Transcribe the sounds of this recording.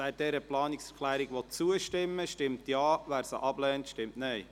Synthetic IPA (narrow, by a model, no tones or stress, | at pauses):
ɛt̚d̥ɛɾəplɑːnɪksɛɾklæːɾiɡʋɔt͡suəʃtɪmːəʃtɪmtjɑːʋæːɾsə̰ʔɑb̥lɛːntʃtɪmtnɛɪ